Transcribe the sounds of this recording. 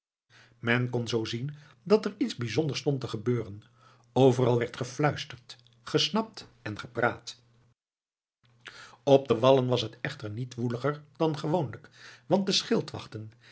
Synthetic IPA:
mɛnkɔnzowzin | dɑtɛɹitzbizɔndəɹstɔntəχəbøːrən | owvərɑlˠʋɛɹtχəflœɥstəɹt | χəsnɑp̚tɛnχəpraːt | ɔb̚dəʋɑlənʋɑsɦətɛχtəɹnitʋuləχəɹdɑnχəʋownləkʋɑnt̚dəsχɪlˠtʋɑ̰χtən

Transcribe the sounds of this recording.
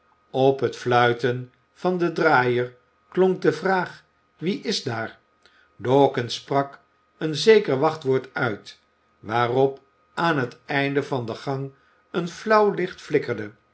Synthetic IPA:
ɔpɦətflœɥtən | v̥ɑndədraːjəɹ | klɔŋk̚dəvraːχ | ʋiʔɪzdaːɹ | dɔːkənsprɑk | ənzejkəɹʋɑχtʋʊːɹtœɥt | ʋaːrɔp | ʔaːnɦətɛjndəvɑndəχɑŋ | ənflɑwlɪχtflɪkəɹdə

